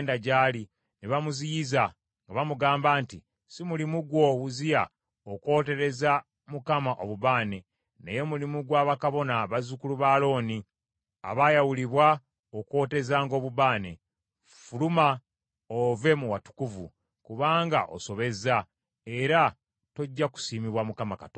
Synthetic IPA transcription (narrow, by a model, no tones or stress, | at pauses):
ndaɟaːli | niβamuzijiza | ŋɡaβamuɡaːmbaːnti | simulimuɡwo̞βuzija | oko̞ːte̞ɾe̞za | mukamaʔoβuβaːne̞ | ne̞̰je̞mulimuɡwaːβakaβo̞naβazukuluβalo̞ːni | a̰βajawuliβwa | okwo̞ːte̞zaːŋɡo̞ːβuβaːne̞̰ | fuluma | ove̞muwatu̥kuvṵ | kuβaːŋɡa̰ʔo̞̰so̞βe̞za | eɾa | to̞ɟːaku̥siːmiβwamukamakato